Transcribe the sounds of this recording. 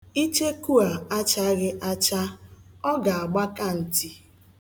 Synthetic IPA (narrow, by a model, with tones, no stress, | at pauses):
i˦t͡ʃe˦ku˦a˨a˦t͡ʃa˦ɣɪ˦ʔa˦t͡ʃa˦ɔ˦ɡa˨a˨ɡ͡ba˦ka˦n̩˨ti˦